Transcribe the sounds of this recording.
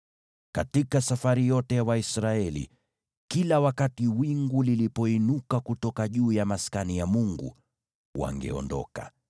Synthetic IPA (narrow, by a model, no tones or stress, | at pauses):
katikasafaɾijɔtɛjawaisɾaɛlḭ | kilawakatiwiŋɡulilipɔinukakutɔkaʄuːjamaskanijamuŋɡṵ | wa̰ŋɡɛ̰ɔ̰ndɔ̰ka̰